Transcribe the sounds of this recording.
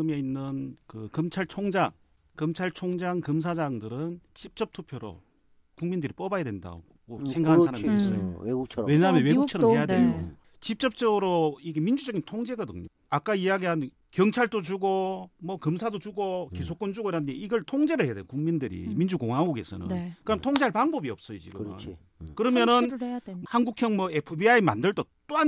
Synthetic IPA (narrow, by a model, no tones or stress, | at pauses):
ɯmeinːɯnkɯkɯmt͡ɕʰaɭt͡ɕʰoŋd͡ʑaŋ | kɯmt͡ɕʰaɭt͡ɕʰoŋd͡ʑaŋkɯms̬ʰad͡ʑaŋdɯɾɯnt͡ɕip̚t͡ɕ͈ʌp̚tʰupʰjoɾo̰ | kuŋmindɯɾip͈obajadwe̞nda̰ | mosʰe̞ŋɡakʰnssaɾamis͈ʌ̰jo̰ɡukʰwe̞ɲamjʌnwe̞ɡukt͡ɕʰʌɾʌɦejadeo | t͡ɕip̚t͡ɕ͈ʌp̚t͡ɕ͈ʌɡɯɾoiɡe̞mind͡ʑud͡ʑʌɡintʰoŋd͡ʑe̞ɡʌdɯ̰ŋɲo̰ | ak͈aijaɡiɦan | kjʌŋt͡ɕʰaɭd͈od͡ʑuɡomʌkɯmsʰadod͡ʑuɡoke̞sʰok͈ond͡ʑuɡoiɾadndeiɡʌɭtʰoŋd͡ʑe̞ɾɯɭheadḛkuŋmindɯɾḭmind͡ʑuɡoŋaŋɡuɡe̞sʰʌ̰nɯ̰nkɯɾʌmntʰoŋd͡ʑeaɭpaŋbʌbiʌp̚s͈ʌjot͡ɕḭɡɯm | kɯɾʌmjʌnɯnhanɡukʰjʌŋmʌepʰɯbiaima̰ndɯɭt͈ot͈oan